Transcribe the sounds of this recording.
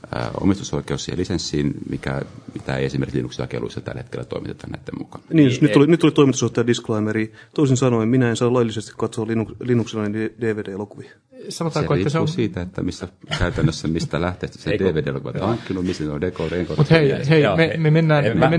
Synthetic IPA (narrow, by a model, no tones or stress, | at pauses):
ə̰o̰mist̪uso̰ikeusˑiːḛlisensːiːnmikæ̰mit̪æḛiesimeɾrkislinːuksilːɑ̰kḛlṵisːɑt̪æ̰lːhet̪̚kelːæt̪o̰ˑimit̪e̥t̪ɑnnæit̪ːemmukɑnɑ̥niːnjosnyolinyt̪ːolit̪oimit̪usoht̪ːˑɑjɑdisklɑimeɾiːt̪oisinsɑnoimminæensɑːlɑjlːisest̪i̥kkɑt̪soɑlinuklinːuksilːɑnened̥eːʋeːdeːelokuʋi | sɑnot̪ɑːoeiːæseusiːt̪æet̪ːæmisːækæyt̪ænːøsːæmist̪ælæht̪eˑːst̪æ̥sedeːʋeːdeelo̰kuʋɑt̪hɑŋkːinumist̪insondekoreŋkormut̪heiheimememenːæːnme